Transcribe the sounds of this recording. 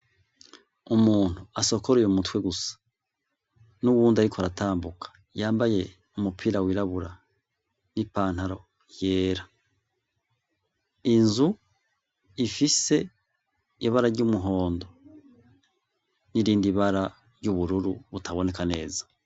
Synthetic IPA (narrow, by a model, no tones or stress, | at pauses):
umuːn̥huaso̞koɾejumutwe̞ɡusḁ | nuβuːndiaɾikoɾataːmbukḁ | jaːmbaje̞ | umupʰiɾawiɾaβuɾa | nipaːn̥haɾo̞ | jeːɾa | inzu | ifise̞ | iβaɾaɾɟumuɦo̞ːndo̞ | niɾiːndiβaɾa | ɾjɟuβuɾuɾuβutaβo̞ne̞kane̞ːzḁ